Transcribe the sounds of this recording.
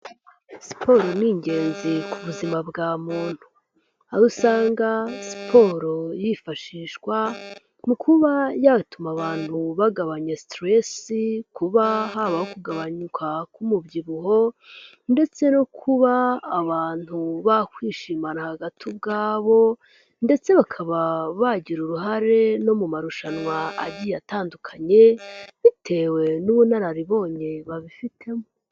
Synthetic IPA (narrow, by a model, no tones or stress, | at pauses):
si̥pʰo̞ɾoniːɲɟe̞ːnzikuβuzimabɡaːmuːn̥hu̥ | aɾusaːŋɡasi̥pʰo̞ɾojifaʃiːʃkwa | mukʰuβajatumaβaːn̥huβaɡaβaɲastɾesikuβaɦaβahokuɡaβaɲukʰakumubɟiβuɦo̞ | nde̞t͡se̞nokʰuβaːβaːn̥huβakwiːʃiːmanahaɡatʰibɡaːβo̞ | nde̞t͡se̞βakʰaβaβaɟiɾuɾuɦaɾe̞no̞mumaɾuʃanwaa̰ɟijataːndukʰaɲe̞βitʰe̞we̞nuβunaɾaɾiβo̞ːɲe̞βaβifitʰe̞mo